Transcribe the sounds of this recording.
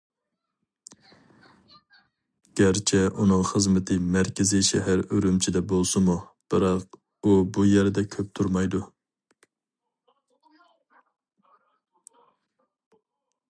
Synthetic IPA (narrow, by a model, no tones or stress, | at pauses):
ɡ̥ʲæɾt͡ʃʰɛʔunɨŋχəzmɨt̪ʰɨmæɾkʲʰɪziʃɛɦæɾøɾymt͡ʃʰid̪ɛbolˠsɨmub̥ɪɾɑq | ubujæɾd̪ɛkʲʰøp̚t̪ʰuɾmɑjd̪u